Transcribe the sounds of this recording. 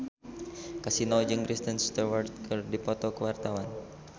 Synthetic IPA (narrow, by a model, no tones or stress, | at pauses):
kasinɔld͡ʒɨŋkɾist̪ənst̪ərwart̪̚kʰɨrdipɔt̪ɔkəwart̪awan